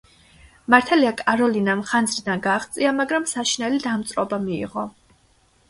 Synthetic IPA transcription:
maɾt̪ʰɛliakʼaɾɔlinamχand̪zɾid̪anɡaːχt̪sʼiamaɡɾamsaʃinɛlid̪amt̪sʼɾɔbamḭːʁɔ

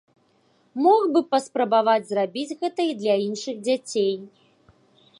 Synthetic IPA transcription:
mɔɣbɨpɐspɾɐbavad͡zʲzrabʲid͡zʲɣɛt̪ɐid̪lʲɐinʂɨɣd͡zʲat͡sʲej

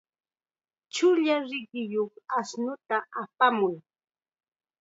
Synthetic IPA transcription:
t͡ʃʊʎaɾɪɢɪjoχasnʊt̪aʔapamʊj

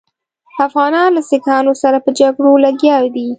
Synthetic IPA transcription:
afɣɑnɑnlasɪkɑnosaɾapəd͡ʒaɡɽolaɡjɑwd̪i

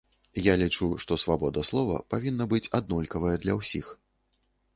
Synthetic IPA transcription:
jalʲit͡ʂuʂt̪ɔsvabɔd̪ɐslˠɔvɐ̰pavʲinːɐbɨt͡sʲad̪̚nɔlʲkɐvɐjɛd̪lʲɐwsʲix

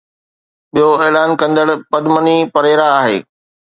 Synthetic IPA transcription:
ɓijoeːlaːnkɐ̃nd̪əɽpɐd̪mənipɐɾeːɾaːɦḛː

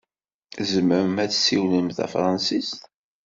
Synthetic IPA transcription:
zəməɾmæt͡sːsiwləmθæ̰fɾˤɑnsist̪

